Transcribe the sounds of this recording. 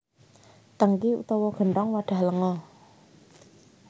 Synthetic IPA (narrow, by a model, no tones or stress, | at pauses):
t̪əŋkiṵt̪ɔwɔɡ̥ə̤ɳʈ̪ɔŋwaɖ̥ä̤hləŋɔ